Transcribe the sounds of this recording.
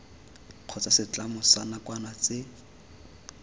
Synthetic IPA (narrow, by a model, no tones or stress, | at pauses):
q͡χʰɔt͡sasɪt͡ɬamʊsanakwanat͡sɪ